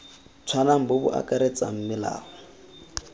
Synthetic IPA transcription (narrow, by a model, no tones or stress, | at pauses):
t͡sʰwanaŋ̩bʊbʊʔa̰kʼaɾet͡sʼaŋ̩mɪla̰ːhɔ